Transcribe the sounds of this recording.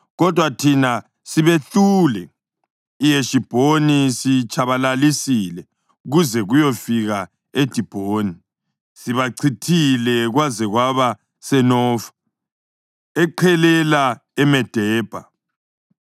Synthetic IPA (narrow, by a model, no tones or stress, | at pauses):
ɣɔd̥ʱwatʰina | siβetulɛ | ijeʃib̥ʱonisit͡ʃʼʰaβalalisilɛ | uɣuzɛɣujɔfiɣa | ed̥ʱib̥ʱoːni | siβaǀʰitʰilɛɣwazɛɣwaβa | sɛnɔːfḁ | ɛǃʰɛlɛlaɛmɛd̥ʱɛːb̥ʱa̰